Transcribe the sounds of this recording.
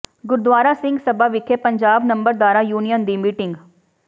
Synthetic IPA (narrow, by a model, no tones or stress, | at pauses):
ɡʊɾd̪waːɾaːsɪ̃ŋɡsəbaːʋɪkʰepəɲd͡ʒaːbnə̃mbəɾd̪waːɾaːjuːnijənd̪iːmiːʈɪŋɡ